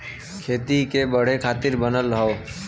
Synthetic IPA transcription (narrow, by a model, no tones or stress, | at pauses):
kʰeːt̪ikebəɽ̤ekʰaːt̪ɪɾbənəlɦə